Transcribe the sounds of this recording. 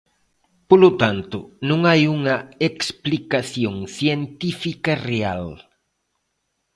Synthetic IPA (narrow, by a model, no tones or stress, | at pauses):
polʊt̪ant̪ʊnũŋajuŋɐeksplikaθjoŋθjent̪ifikɐrea̰l